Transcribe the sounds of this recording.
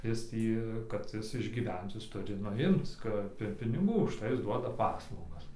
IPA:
ˈjɪs ˈtʲiː kɐt ˈjɪs ɪʒʲɡʲiːˈʋʲɛnt͡s ˈjɪs ˈtʊrʲɪ ˈnʊ ˈɪmt͡s ˈkɐp ɪr pʲɪnʲɪˈɡuː ʊʃˈtɐɪ ˈjɪs ˈduɔdɐ ˈpɑːslˠɐʊɡɐs

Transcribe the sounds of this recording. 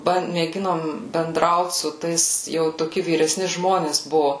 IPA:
ˈbɐn mʲeːˈɡʲɪnoːm bʲɛnˈdrɐʊt sʊ ˈtɐɪs jɛʊ toːˈkʲɪ ʋʲiːrʲɛˈsʲnʲɪ ˈʒmoːnʲeːs ˈbʊʋoː

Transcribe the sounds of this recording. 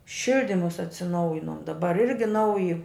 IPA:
ˈʃʲɪlʲdʲɪmʊs ɐtʲsʲɪˈnɐʊjɪnoːm dɐˈbɐr ˈɪrʲɡʲɪ ˈnɐʊjɪ

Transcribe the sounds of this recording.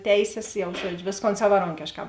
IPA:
ˈtʲɛɪsʲeːs jɛʊ ˈʒuɔd͡ʒʲʊ ˈʋʲeːsˌkoːn sɐʋɐˈroːŋʲkʲeːʃˌkɑː

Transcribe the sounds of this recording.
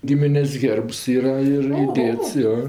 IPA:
ˈɡʲɪmʲɪnʲeːsʲ ˈɣʲeːrps ˈiːrɐ ɪr ɪˈdʲeːts ˈjoː

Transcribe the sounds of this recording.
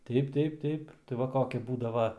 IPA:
ˈtʲɛɪp ˈtʲɛɪp ˈtʲɛɪp tɐɪ ˈʋɐ ˈkoːkʲɪ ˈbuːdɐʋɐ

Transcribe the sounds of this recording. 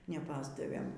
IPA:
nʲɛˈpɑːzdɐʋʲeːm

